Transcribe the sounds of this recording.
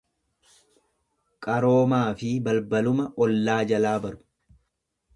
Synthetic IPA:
kʼɐɾo̞ːmaːfɪbɐlbɐlʊmɐʔɔlːaːd͡ʒɐlaːbɐɾʊ̥

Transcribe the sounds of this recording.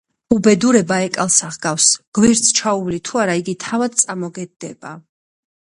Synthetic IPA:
ubɛd̪uɾɛbaɛkʼalˠsaʁɡafsɡ̥wɛɾt̪sʰt͡ʃʰauvlit̪ʰuaɾaiɡit̪ʰavad̪̚t̪sʼamɔɡɛd̪̚ːɛba

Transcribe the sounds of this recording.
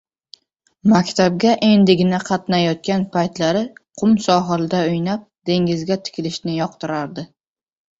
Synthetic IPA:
makʲt̪ʰab̚ɡʲaʔe̞nd̪ɪɡʲɪnaqʰɑt̪najɒt̪̚kʲanpʰajt̪laɾɪqʰʊmsɒɦɪlɪd̪aʊjnap̚d̪̥e̞ŋʲɪzɡʲat̪ʰɪ̥kʲʰɪlɪʃnɪjɒq̚t̪ɪɾaɾd̪ɪ

